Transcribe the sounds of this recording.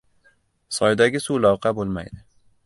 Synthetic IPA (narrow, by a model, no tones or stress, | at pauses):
sɒjd̪aɡʲɪsulɒwqʰɑbolˠma̰jd̪ɪ